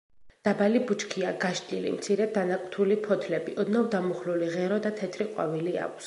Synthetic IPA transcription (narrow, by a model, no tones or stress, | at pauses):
d̪̥abalibut͡ʃʰkʰiaɡaʃd̪ʼilḭmt̪sʰiɾɛd̪anakʼt̪ʰulipʰɔt̪ʰlɛbiʔɔd̪navd̪amuχluliʁɛɾɔd̪at̪ʰɛt̪ʰɾiqʼwa̰vilia̰ks